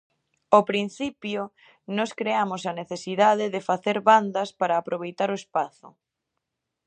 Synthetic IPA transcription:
apɾin̟θipjo | nɔskɾeamosɐneθesiðaðɪðɪfaθeɾβand̪ɐspaɾaːpɾoβ̞ejt̪aɾoespaθʊ̰

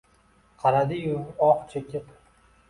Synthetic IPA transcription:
qʰɑɾad̪ɪjʊɒqt͡ʃʰekʲɪp

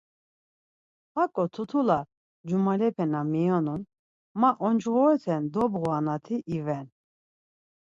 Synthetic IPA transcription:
hakʼɔt̪ʰut̪ʰula | d͡ʒumalɛpʰɛnamijɔnun | maʔɔnd͡ʒɣɔɛt̪ʰɛnd̪ɔbʁuanat̪ʰiʔivɛn

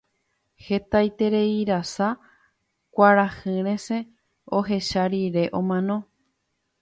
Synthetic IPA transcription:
he̞t̪ajt̪e̞ɾe̞iɾasa | kʷaɾahɨ̃ɾẽ̞sẽ̞ | oɦe̞ʃaɾiɾe̞ʔõ̞mãnõ̞

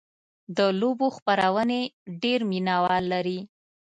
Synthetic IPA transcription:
d̪əloboxpaɾawəneɖeɾminawɑlːaɾi

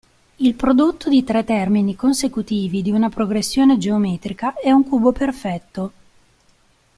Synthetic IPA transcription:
ilpɾod̪ot̪ːod̪it̪ɾɛt̪ːɛrminikonsekut̪iːvid̪iunapɾoɡɾesːjoːned͡ʒeomɛːt̪ɾikaɛuŋkuːboperfɛt̪ːo

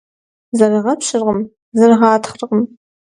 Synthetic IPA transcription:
zɐrɨʁɐpɕɨrʁəm | zɐrɨʁɑːtʰχrqəm

